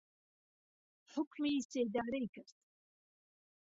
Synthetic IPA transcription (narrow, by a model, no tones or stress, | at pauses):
ħʊkmised̪aːɾejkəɾt̪